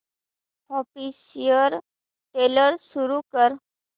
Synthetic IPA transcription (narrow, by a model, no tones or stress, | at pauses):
ɔfisijəɾ | ʈeləɾsuɾukəɾ